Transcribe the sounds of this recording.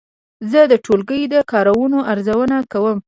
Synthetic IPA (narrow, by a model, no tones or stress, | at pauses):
zəd̪əʈʰolɡəjd̪əkɑɾawunoʔaɾzawənakawəm